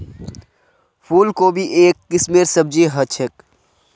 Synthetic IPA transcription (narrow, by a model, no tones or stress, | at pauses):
pʰuːlkobʱiʔeːkːɪsmeːɾsəb̚d͡ʒeɦɐt͡ʃʰek